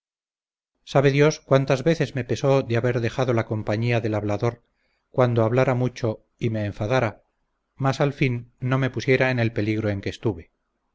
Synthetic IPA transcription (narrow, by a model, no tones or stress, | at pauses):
saβe̞ðjo̞skwant̪azβe̞θe̞zmepe̞so̞ðeaβe̞ɾðe̞xaðo̞lako̞mpaɲiaðe̞laβlaðo̞ɾ | kwand̪oaβlaɾamut͡ʃo̞ | ime̞ːɱfaðaɾa | masalfinːo̞me̞pusje̞ɾaene̞lpe̞liɣɾo̞e̞ŋke̞ːst̪uβe̞